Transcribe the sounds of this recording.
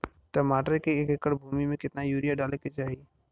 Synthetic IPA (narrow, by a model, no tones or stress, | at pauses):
ʈɐmaːʈəɾkeeːkɪkəɽbʱuːmimẽkɪt̪najuːɾijaɖaːleket͡ʃaːɦieː